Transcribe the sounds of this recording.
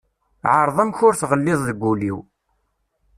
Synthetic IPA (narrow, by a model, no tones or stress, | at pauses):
ʕəɾˤðˤæmçʊɾθʁəlːɪðˤðəɡʷːuliw